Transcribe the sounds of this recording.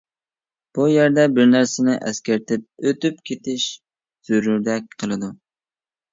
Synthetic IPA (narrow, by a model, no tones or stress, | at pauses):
b̥ujæɾd̪ɛbɪɾnæɾsɪnɪʔɛ̰skʲæɾt̪ʰɪp̚øt̪yp̚kʲʰet̪ʰɪʃ | z̥øɾyɾd̪ɛk̚ʲqʰəlˠɨd̪u